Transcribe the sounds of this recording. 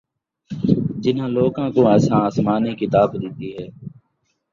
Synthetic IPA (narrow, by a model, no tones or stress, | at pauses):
d͡ʒɪnãːloːkãːkoːɛːsãːsmaːniːkit̪aːbd̪ɪt̪iːɦɛː